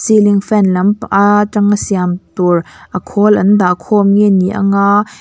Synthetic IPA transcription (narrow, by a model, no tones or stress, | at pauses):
siliŋfɛnlɐmpat͡sɐŋəsiamt̪urʔɐkʰɔlʔɐnd̪akʰɔmŋɛnːiʔɐ̰ŋa